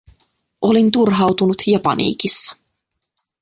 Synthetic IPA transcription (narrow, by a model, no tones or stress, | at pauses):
ʔo̞lint̪urɦɑwt̪unut̪jɑpɑ̰nḭːkisːɑ̥